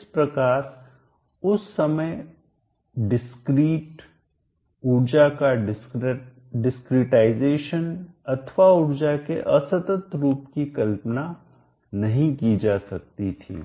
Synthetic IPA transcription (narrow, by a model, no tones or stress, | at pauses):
ɪspɾɐkaːɾ | ʊsːɐməj | ɖɪskɾiːʈ | uɾd͡ʒakaɖ | ɖɪskɾiʈaːɪzeːʃənɐt̪ʰʋaʊɾd͡ʒakḛʔɐsət̪ət̪ɾuːpkikɐlpna | nɐɦĩkid͡ʒaːsɐk̚t̪it̪ʰḭː